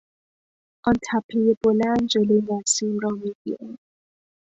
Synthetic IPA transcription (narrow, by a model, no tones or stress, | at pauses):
ʔɔnt̪ʰæpʰejeb̥olænd̪d͡ʒolojenæsimɾɔmiɡḭɾin